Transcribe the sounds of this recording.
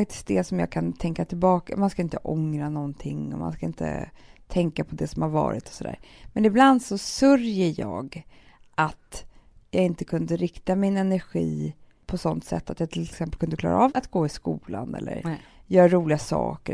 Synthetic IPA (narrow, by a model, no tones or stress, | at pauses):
ak̚t̪ɪ̥skt̚d̪ɛsɔmjɑ̰ːkʰant̪ʰɛŋkat̪ʰɪlbɑːkamanskaɪnt̪əʔɔŋɾanɔnt̪ʰɪŋːɔ̰ma̰nskaɪnt̪ə̰t̪ʰɛŋkapʰɔd̪ɛsɔmhaɾvɑ̰ːɾɪ̰t̪ɔ̥sɔd̪æ̰ːɾmɛnɪbland̪sɔsɵɾjəjɑːɡʔat̪jɑːɡɪnt̪əkʰɵnd̪əɾɪkt̪amɪnɛnæɾɧiː | pʰɔsɔnt̪sɛ̰t̪ːat̪jɑːɡt̪ʰɪlɛksɛmpəlkʰɵnd̪əklɑ̰ːɾaːvat̪ɡoːɪskuːlanɛ̰lːə̰ɾjœːɾaɾuːlɪɡasɑ̰ːkə